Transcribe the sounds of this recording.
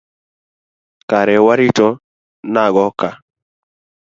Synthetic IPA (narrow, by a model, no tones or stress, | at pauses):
kaɾɛwaɾitɔ | naɡɔka